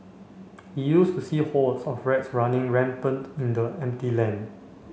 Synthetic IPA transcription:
hijustusihɔtsɔfɹɛtsɹanɪ̃ŋɹɛ̃mpə̃ntĩndəɛ̃mtilɛ̃n

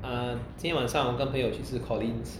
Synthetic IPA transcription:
ət͡ɕinʰjɛwanʂɑŋwɔkənpʰəŋjot͡ɕʰyʂɻ̩kʰɔlins

